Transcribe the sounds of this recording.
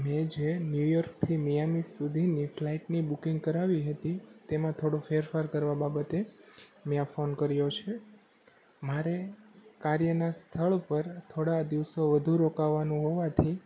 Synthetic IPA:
mẽd͡ʒenjujɔɾk̚t̪ʰimijamisːud̪ʱiniflaiʈnibukĩŋɡ̚kəɾaʋiɦət̪it̪emãt̪ʰoɽofeɾfaɾkəɾʋababət̪emẽãfonkəɾjot͡ʃʰe | maɾekaɾjənast̪ʰəɭpəɾt̪ʰoɽad̪iʋsoʋəd̪ʱuɾokaʋːanũɦoʋat̪ʰi

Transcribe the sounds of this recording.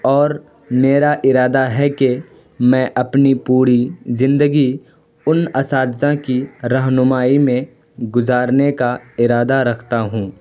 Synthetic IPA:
ɔːɾ | meːɾaʔɪɾaːd̪aɦɛke | mɛ̃ːʔɐpnipuːɾizɪ̃nd̪əɡi | ʊnɐsaːd̪zãkiɾɐɦnʊmaːimẽ | ɡʊzaːɾnekaɪɾaːd̪aɾɐkʰt̪aɦũː

